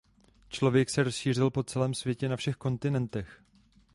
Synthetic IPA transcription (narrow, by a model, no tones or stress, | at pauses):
t͡ʃlo̞vjɛksɛɾo̞sʃiːr̝ɪlpo̞t͡sɛlɛːmsvjɛcɛnafʃɛxko̞nt̪ɪnɛnt̪ɛx